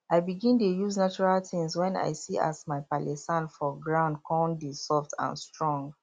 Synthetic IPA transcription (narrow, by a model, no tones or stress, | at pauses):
aɪbiɡĩntujuznat͡ʃɔɹaltĩŋswɛ̃na̰ɪjsiʔa̰smaɪpalɛsãnfɔɡɹãʊ̃nd̚kʰɔ̃ndisɔftʰã̰nstɹɔ̃ŋɡ